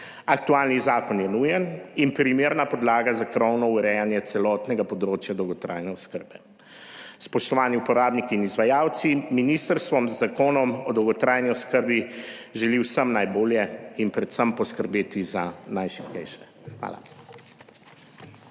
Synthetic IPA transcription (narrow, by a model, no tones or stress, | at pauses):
ak̚t̪ualnizaːkɔnjɛnujɛninpɾimeːɾnapɔd̪laːɡazakɾɔwnɔuɾɛjanjɛt̪sɛlɔt̪nɛɡapɔd̪ɾoːt͡ʃjad̪ɔwɡɔt̪ɾa̰ːjnɛɔskəɾbɛ | spɔʃt̪ɔʋaːniupɔɾaːbnikiːnizʋajaːwt̪siminist̪əɾst̪ʋɔmzːakoːnɔmɔd̪ɔwɡɔt̪ɾaːjniɔskəɾbiʒɛliwsəmnajboːljɛinpɾɛt̪səmpɔskəɾbeːt̪izanajʃi̥pkɛ̰jʃɛ̥ | xʋa̰ːla̰